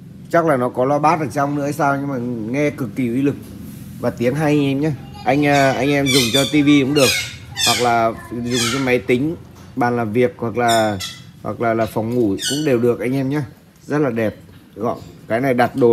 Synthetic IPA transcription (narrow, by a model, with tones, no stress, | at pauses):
t͡ɕa˦˥k̚laː˨˩nɔ˨˦kɔ˨˦lɔ˧ɓaː˦˥t̚ʔəː˧˩t͡ɕa˧wŋ͡mnɨ̰˧˥ə˧saː˧wɲɨ˧ŋmaː˨˩ŋɛ˧kɨ˨˩kːi˨˧˩ʔwi˧lɨ˨˩k̚ | vaː˨˩t̪i˨˦əŋɦaː˧jʔa˧jŋ̟ʔɛ˧mɲaː˧ | ʔa˧jŋ̟ʔaː˧ʔa˧jŋ̟ʔɛ˧mzʊ˨˩ŋ͡mt͡ɕɔ˧t̪i˧vi˧kʊ̰˧˥ŋ͡mɗɨ˨˩ək̚hwa˨˩k̚laː˨˩zʊ˨˩ŋ͡mt͡ɕɔ˧ma˨˦jt̪ï˨˦ŋ̟ | ɓa̰ː˨˩nlaː˨˩mvi˨˩ək̚hwa˨˩k̚laː˨˩hwa̰˨˩k̚laː˨˩laː˨˩fɔ˨˩wŋ͡mŋu˧˩kʊ̰˧˥ŋ͡mɗe˨˩wɗɨ˨˩ək̚ʔa˧jŋʔɛ˧mɲaː˧ | zə˦˥t̚laː˨˩ɗɛ˨˩p̚ɣɔ̰˧˨jkaː˨˦jna˨˩jɗa˨˩t̚ɗo˨˦